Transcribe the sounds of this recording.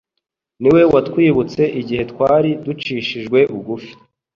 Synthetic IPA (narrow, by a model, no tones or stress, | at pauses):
niwe̞watkwiːβut͡se̞ʔiɟihe̞tkwaːɾidut͡ʃiːʃiʒɡwe̞ʔuɡufi̥